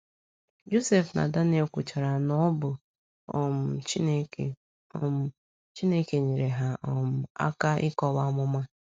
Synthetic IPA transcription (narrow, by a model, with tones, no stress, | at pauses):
d͡ʒo˦se˨fna̰˨da˦n˦e˨kʷʊ˨t͡ʃa˨ɾa˨nɔ˦bʊ˨ | m̩˨˦˨ | t͡ʃi˦ne˦ke˨ɲe˨ɾe˨ɦa˦ʔɔ˦˨m̩˨a̰˦ka˦ʔɪ˦kɔ˦ba˦mʊ˦ma˦